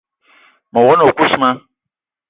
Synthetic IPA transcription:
mʊ̃˨wɔ˦nʊ̃˨o˨kʷu˦su˦mã˦

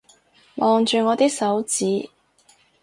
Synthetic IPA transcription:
mʔɔː˨˧ŋt͡ʃyː˨˧ŋɔː˨˧t̪iː˥k̚sɐ˨˥wt͡siː˨˥

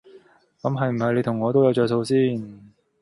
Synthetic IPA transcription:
kɐ˨˥mɦɐ˨jm̩˨˩hɐ˨jle˨˧jt̪ʰʊ˨˩ŋːɔː˨˧t̪o˥wjɐ˨˧wt͡ʃœː˨˧jso˧wsiː˥n

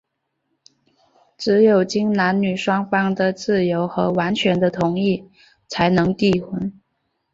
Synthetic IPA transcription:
ʈ͡ʂɻ̩˧˥jo˨˩ʊt͡ɕi˥ŋna˧˥nny˨˩ʂwɑ˥ŋfɑ˥ŋd̪ə˨t͡sɹ̩˥˩jo˧˥ʊxɤ˧˥wa˧˥nt͡ɕʰɥɛ˧˥nd̪ə˧t̪ʰʊ˧˥ŋi˥˩ | t͡sʰa˧˥ɪnɤ˧˥ŋt̪i˥˩xwə˧˥n

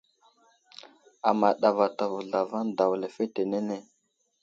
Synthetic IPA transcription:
a˨ma˨ɗa˨va˨ta˨vu˨ɮa˨va˦n˦da˨wle˨fe˦te˨ne˦ne˦˨

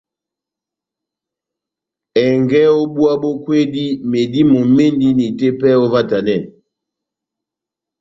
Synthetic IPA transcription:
ɛ˨ŋɡɛ˦o˦bu˦a˦bo˦kwe˦di˦me˨di˦mo˨me˦ndi˦ni˨te˦pɛ˦o˦va˦ta˨nɛ˦˨

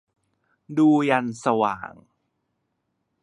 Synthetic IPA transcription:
duː˧ja˧nsa˧wa̰ː˨˩ŋ

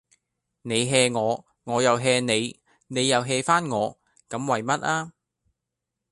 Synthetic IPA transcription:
ne˨˧jɦɛː˧ŋɔː˨˧ | ŋɔː˨˧jɐ˨wɦɛː˧ne˨˧j | ne˨˧jːɐ˨wɦɛː˧faː˥nŋɔː˨˧ | kɐ˨˥mwɐ˨jmɐ˥t̚aː˥

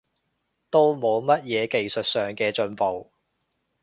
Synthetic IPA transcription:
t̪o˥wmo˨˧wmɐ˥t̚jɛː˨˧ke˨jsɵ˨t̚sœː˨ŋkɛː˧t͡ʃɵ˧npo˨w

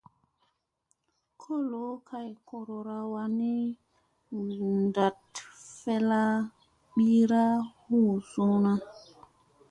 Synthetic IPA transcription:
kʰo˦lo˨˦kʰa˨jkʰo˨ɾo˨ɾa˨wa˨ni˦ | nda˨tfɛ˦la˦ | ɓi˦ɾa˦hu˦˨sũ˦na˦

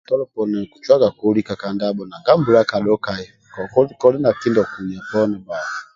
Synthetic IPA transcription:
tɔ˦lɔ˦pɔ˨nɛ˨ku˨t͡ʃwa˦ɡa˨ku˨˦ɾi˦ka˨ka˨nda˦ɓɔ˨na˨ŋɡa˦m̩˦bu˨ɾa˦ka˨ɗɔ˦ka˨jɛ˨ | kɔ˨kɔ˦i˦kɔ˦li˦na˨ki˦ndɔ˨ku˨ɲ˨a˨pɔ˦nɛ˨ba˨

